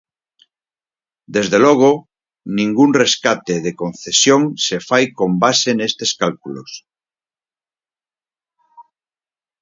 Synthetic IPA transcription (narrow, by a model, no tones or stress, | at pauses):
d̪ezðeloɣ̞o | nĩŋɡunreskat̪eðekonθesjoŋsefajkombasenest̪eskalkulos